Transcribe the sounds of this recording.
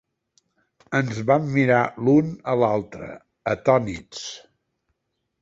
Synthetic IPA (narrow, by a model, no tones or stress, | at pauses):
ənzβamːiɾalunəlalˠt̪ɾə̰ | ət̪ɔnit͡s